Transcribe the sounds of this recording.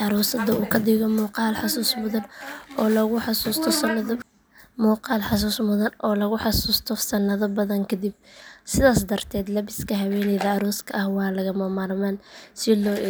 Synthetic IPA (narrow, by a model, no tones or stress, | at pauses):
ɑɾɔːsɐd̪ɐuːkʰɐd̪ɪɣɔmuːqɑːlħɑsuːsmʊðɐnɔːlɐɣʊħɑsuːst̪ʰɔ | muːqɑːlħɑsuːsmʊðɐnʔɔːlɐɣʊħɑsuːst̪ʰɔsɐnːɐðɐbɐðɐŋkʰɐd̪ib̚sɪðaːsd̪ɐrt̪ʰɛːd̪lɐβɪskʰɐɦɐwɛːnɛːðɐɐɾɔːskʰɐʔɐhwɑːlɐɣɐmɐmaɾmaːnsɪlɔːʔɛ